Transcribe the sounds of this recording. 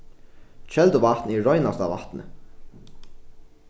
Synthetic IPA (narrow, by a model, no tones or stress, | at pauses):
t͡ʃɛlt̪ʊvaht̪nɛɹɔjnast̪ɑ̰ʋa̰ht̪nə̰